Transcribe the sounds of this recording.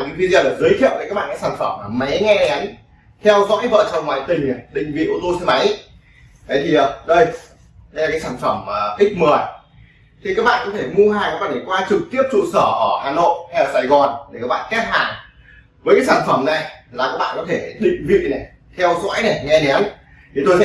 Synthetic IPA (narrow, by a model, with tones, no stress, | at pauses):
i˨˧˦t̪ʰi˧zaː˧˩laː˨˩zəː˨˦jt̪ʰi˧ə˨wə˨˦kaː˦˥k̚ɓaː˧˨kaː˨˦saː˧˩nfə˧˩mːa˨˩mə˨˦jŋɛ˧nɛ˨˦m | t̪ʰɛ˧wzɔ̰ː˧˥jvə̰ː˧˨t͡ɕɔ˧ŋwa̰ː˧˨jt̪ï˨˩ŋ̟na˨˩jɗḭ̈˧˨ŋ̟vḭ˧˨ʔo˧t̪o˧si˧ma˨˦j | ɗə˨˦jt̪ʰi˨˩əː˨˩ɗə˧j | ɗə˧jla˨˩kaː˨˦saː˧˩nfə˧˩məː˨˩ʔï˦˥k̚məː˨˩əj | t̪ʰi˨˩kaː˦˥k̚ɓa̰ː˧˨nkɔ˨˦t̪ʰe˧˩mu˧hɦaː˨˩ŋkːɓaː˧˨˩nː˨˩kwaː˧t͡ɕɨ˨˩k̚t̪i˦˥əp̚t͡ɕṵ˧˨səː˧˩ʔəː˧˩haː˨˩no̰˧˨jha˧jaː˨˩saː˧˩jɣɔ˨˩nɗe˧˩kaː˦˥ɓa̰ː˧˨kɛ˦˥t̚ha̰ː˨˩ŋ | vəː˨˦kaː˨˦jsaː˧˩nfə˧˩mna˨˩jlaː˨˩kaː˦˥k̚ɓa̰ː˧˨˧kɔ˨˦t̪ʰe˧˩ɗḭ̈˧˨ŋ̟vḭ˧˨na˨˩j | t̪ʰɛ˧wzɔ̰ː˧˥jna˨˩jŋɛ˧nɛ˨˦n | t̪ʰi˨˩t̪o˧j